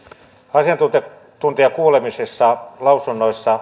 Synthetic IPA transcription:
ɑsiɑnt̪ut̪e | t̪unt̪iɑkuːlemisesːɑlɑusunːoisːɑ

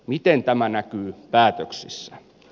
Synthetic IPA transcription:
mit̪ent̪æmænækyːpæːt̪øksisːæ

